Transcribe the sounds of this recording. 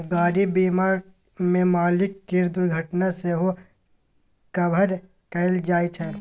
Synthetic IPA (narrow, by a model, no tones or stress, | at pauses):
ɡaːɾibimaːɾ | mẽmaːlɪkːiɾd̪ʊɾɡʱəʈnaseɦo | kɐbʱəɾ | kəld͡ʒaːit͡ʃʰɛ